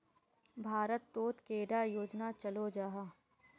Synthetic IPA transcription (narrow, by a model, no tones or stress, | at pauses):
bʱaːɾət̪ːoːt̪keːɖajoːd͡ʒnat͡ʃɐlod͡ʒaːɦa